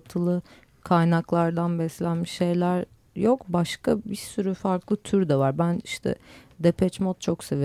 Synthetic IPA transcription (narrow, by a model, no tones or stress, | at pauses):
t̪ʰɯlˠɯ | kʰajnaklˠaɾd̪anbɛslʲænmiʃːe̞jlʲæɾ | jo̞kbaʃkabiɾsyɾyfaɾklˠɯt̪ʰyɾd̪ɛvaɾbæniʃt̪ʰɛ̰d̪epʰɛt͡ʃmot̪̚t͡ʃʰo̞kseve